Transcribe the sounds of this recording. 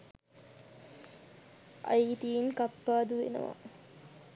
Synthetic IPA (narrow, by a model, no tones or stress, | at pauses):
ʔa̰iːt̪iːnkapːaːd̪uʋḛnə̰ʋa̰